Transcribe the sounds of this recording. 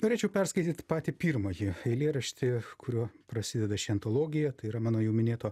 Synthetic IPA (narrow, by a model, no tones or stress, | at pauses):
noːɾʲeːt͡ʃʲɛʊpʲɛrskɐɪt̪ʲiːt̪pɑːt̪ʲɪpʲiːrmoːjɪɐɪlʲeːɾɐʃʲt̪ʲɪkʊɾʲuɔpɾɐsʲɪd̪ʲɛd̪ɐʃʲɪɐnt̪olˠoːɡʲɪjɛt̪ɐɪiɾɐmɑːnoːjɛʊmʲɪnʲeːt̪oː